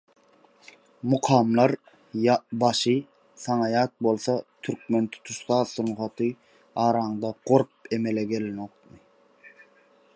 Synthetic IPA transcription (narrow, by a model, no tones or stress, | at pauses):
muqʰɑːmlˠɑɾ | jɑbɑʃɨ | sɑŋɑjɑt̪̚bolˠsɑt̪ʰyɾk̚ʲment̪ʰu̥t̪ʰuʃq̪ɑːsunχɑt̪ʰɨ | ɑːɾɑːŋd̪ɑqoɾp̚emelɛɡʲelɪnoqmɨ